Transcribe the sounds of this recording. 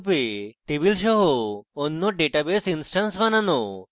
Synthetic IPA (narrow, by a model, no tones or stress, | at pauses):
peʈebilʃ̬ɔɦoːnːoɖeʈabesinsʈansʋanano